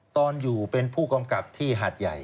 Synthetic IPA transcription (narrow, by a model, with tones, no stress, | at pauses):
t̪ɔː˧njuː˨˩pe˧npʰuː˥˩ka˧mka˨˩p̚t̪ʰiː˥˩ɦaː˨˩t̪̚ja̰˨˩j